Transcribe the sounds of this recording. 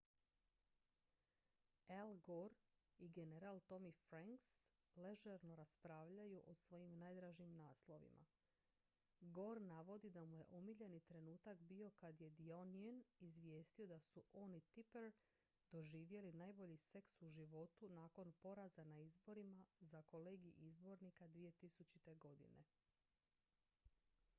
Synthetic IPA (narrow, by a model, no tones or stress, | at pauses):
elɡoɾiɡe̞ne̞ɾaːlˠt̪o̞mifɾaŋks | le̞ʒeɾno̞ɾaspɾaːʋʎajuʔo̞sʋo̞jimnajd̪ɾaːʒiiːmnaːslˠo̞ʋḭma̰ | ɡo̞ɾnaʋo̞d̪id̪amuje̞̰ʔomiʎe̞nit̪ɾe̞nuːt̪akbio̞kad̪je̞d̪ionienizʋje̞ːst̪io̞d̪asuʔo̞ːnit̪ipeɾ | d̪o̞ʒiːʋje̞linajbo̞ʎise̞ksuʒiʋo̞t̪unaːko̞npo̞ɾazanaizbo̞ɾimazako̞leːɡiʔizbo̞ɾnikad̪ʋije̞t̪isut͡ɕit̪e̞ɡo̞d̪ḭne̞̰